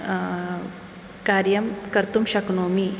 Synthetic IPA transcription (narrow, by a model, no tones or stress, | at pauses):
kaːɾjɐmkɐɾt̪umɕɐknoːmi